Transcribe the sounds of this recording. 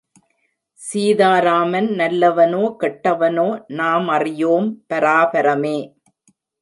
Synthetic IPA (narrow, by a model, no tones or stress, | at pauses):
siːðaːɾaːmɐnnɐlːɐʋɐnoːkɛʈːɐʋɐnoːnaːmɐrɪjoːmpɐɾaːbɐɾɐmeː